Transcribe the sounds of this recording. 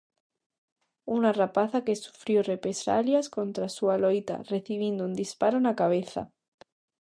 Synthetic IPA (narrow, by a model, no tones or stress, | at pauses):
unarapaθake̞su̥fɾjorepɾesa̰ljaskont̪ɾasualojt̪a̰reθiβjind̪ound̪ispaɾonakaβ̞eθa̰